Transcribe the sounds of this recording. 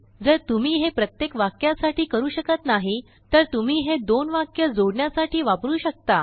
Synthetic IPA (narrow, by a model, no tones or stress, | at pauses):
d͡zəɾt̪um̤iːɦepɾət̪jekʋakjasaʈʰiːkəɾuːɕəkət̪naɦi | t̪əɾt̪um̤iːɦed̪onʋakjəd͡zoɽɳjasaʈiːʋapɾuːɕək̚t̪a